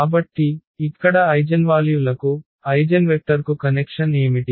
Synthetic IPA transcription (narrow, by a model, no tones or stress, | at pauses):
kaːbɐʈːiːkːɐɽɐɐjd͡ʒɐnʋaːljulɐku | ɐjd͡ʒɐnʋek̚ʈɐɾkukɐnekʂɐne̞ːmiʈi